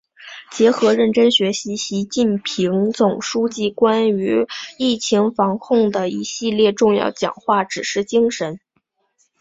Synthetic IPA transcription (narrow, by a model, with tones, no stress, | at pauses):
t͡ɕjɛ˧˥xɤ˧˥ɻə˥˩nʈ͡ʂə˥nɕɥɛ˧˥ɕi˧˥ɕi˧˥t͡ɕi˥˩npʰi˧˥ŋt͡sʊ˨˩ŋʂu˥t͡ɕi˥˩kwa˥ny˧˥i˥˩t͡ɕʰi˧˥ŋfɑ˧˥ŋkʰʊ˥˩ŋd̪ə˩i˧˥ɕi˥˧ljɛ˥˧ʈ͡ʂʊ˥˧ŋjɑ̰˥˩ʊt͡ɕjɑ̰˨˩ŋxwa˥˩ʈ͡ʂɻ̩˨˩ʂɻ̩˥˩t͡ɕi˥ŋʂə˧˥n